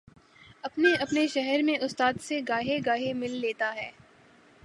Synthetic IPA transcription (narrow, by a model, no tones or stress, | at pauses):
ɐpneɐpneʃɛɦɛɾmẽʔʊst̪aːd̪seɡaːɦeɡaːɦemɪlːeːt̪aɦɛː